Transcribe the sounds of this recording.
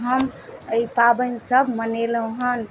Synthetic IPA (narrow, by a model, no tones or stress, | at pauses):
ɦəməipabənsəbʱmənelə̃ɦən